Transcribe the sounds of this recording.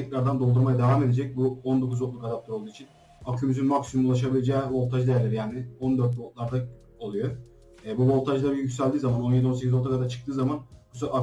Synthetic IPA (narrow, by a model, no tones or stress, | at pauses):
t̪ʰɛcɾaɾd̪and̪olˠd̪uɾmajad̪e̞vaːme̞d̪e̞d͡ʒɛc̚buond̪o̞kʰuzo̞t̪̚lˠukad̪ap̪̚aɾolˠd̪uːit͡ʃʰin | akʰymyzynmaksimumulˠaʃ̬abilʲed͡ʒɛːvo̞lˠt̪ʰaʒd̪ejæɾlʲeɾijaːnɪond̪øɾt̪̚bot̪lˠaɾd̪a | olˠujo | ɛːbuvo̞lˠt̪ʰaʒlˠaɾɯjycsælʲd̪iːzamano̞njed̪io̞nse̞cʰʲizot̪ʰakad̪at͡ʃʰɯ̥k̚t̪ʰɯːzamanbusoa